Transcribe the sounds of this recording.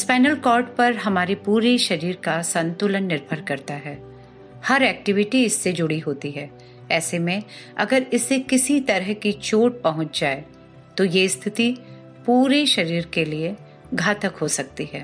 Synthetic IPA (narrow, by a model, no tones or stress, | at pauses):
spɛːnəlkɔːɾʈpɐɾɦɐmaːɾepuːɾeʃɐɾiːɾkasɐ̃nt̪ʊlənːɪɾbʱəɾkɐɾt̪aɦɛː | hɐɾɛːk̚ʈɪʋɪʈiɪsːed͡ʒʊɽiɦoːt̪iɦɛː | ɛːsemẽɐ̰ɡəɾɪsːekɪsit̪ɐɾəɦkit͡ʃoːʈ̚pɐɦʊ̃t͡ʃd͡ʒaːe | t̪ojeɪst̪ʰɪt̪i | puːɾeʃɐɾiːɾkelie | ɡʱaːt̪əkɦosɐk̚t̪iɦɛː